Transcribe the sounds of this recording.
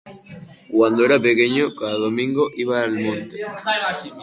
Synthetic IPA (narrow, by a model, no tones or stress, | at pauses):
kwand̪oeɾapekeɲokaðaðomĩŋɡoʔiβaːlmõnt̪e